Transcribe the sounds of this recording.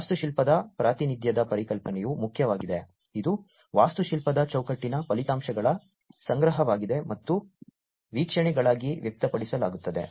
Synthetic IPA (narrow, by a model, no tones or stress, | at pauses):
ast̪uʃilpɐd̪ɐpɾaːt̪inid̪ʱjɐd̪ɐpɐɾikɐlpɐnɛjumukʰjɐʋaːɡid̪e | id̪u | ʋaːst̪uʃilpɐd̪ɐt͡ʃɐwkɐʈːinɐpɐlit̪aːmʃɐɡɐɭɐ | sɐŋɡɾɐɦɐʋaːɡid̪e̞mɐt̪ːu | ʋiːkʂɐɳɛɡɐɭaːɡiʋjɐk̚t̪ɐpɐɽisɐlaːɡut̪ːɐd̪e̞̰